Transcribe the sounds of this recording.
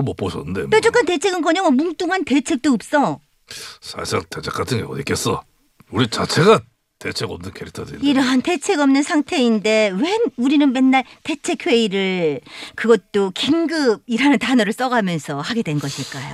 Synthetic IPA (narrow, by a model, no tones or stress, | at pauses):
ɯmʌpoɕʰʌnːɯndḛmet͡ɕ͈ok͈ante̞t͡ɕʰe̞ɡɯnɡʌɲʌŋomuŋt͈uŋante̞t͡ɕʰe̞k̚t͈oːp̚s͈ʌ | sʰa̰sʰaŋtet͡ɕʰek͈atʰɯnŋɡeʌik͈es͈ʌ̰ | uɾit͡ɕat͡ɕʰe̞ɡa | tet͡ɕʰeɡʌmnɯnkʰeɾik̚tʰʌdeiɾʌɦante̞t͡ɕʰe̞ɡʌmnɯnsʰaŋtʰe̞inde̞we̞nuɾinɯnmenːaɭte̞t͡ɕʰe̞kʰwe̞iɾɯɭkɯɡʌt̚t͈okiŋɡɯb̚iɾanɯntanʌɾɯɭs͈ʌɡamjʌnsʰʌhaɡe̞dwe̞nɡʌɕʰiɭk͈ajo̰